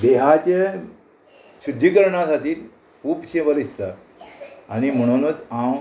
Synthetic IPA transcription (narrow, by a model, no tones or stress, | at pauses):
d̪eɦat͡ɕe | ɕud̪ʱːikəɾɳasat̪iːl | upɕẽʋəlist̪a | añim̤əɽ̃unət͡sam